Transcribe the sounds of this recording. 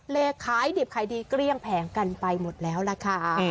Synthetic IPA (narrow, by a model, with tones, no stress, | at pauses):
leː˧kʰaː˩˦jdi˨˩p̚kʰaː˩˦jdiː˧kɾi˥˩əŋpʰɛː˨˩˦ŋka˧npa˧jmo˨˩t̪̚lɛː˦˥wla˨˧˩kʰa˥˩